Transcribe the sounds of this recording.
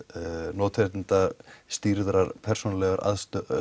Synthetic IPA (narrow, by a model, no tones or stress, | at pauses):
nɔːt̪ʰeɾt̪int̪ast̪iɾðɾaɾpʰɛr̥sunalɛɣaɾa̰ðst̪